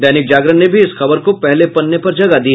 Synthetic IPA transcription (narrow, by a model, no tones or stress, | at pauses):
d̪ɛːnɪk̚d͡ʒaːɡɾənnebʱiɪsxɐbəɾkopɛɦlepɐnːepɐɾd͡ʒɐɡad̪iː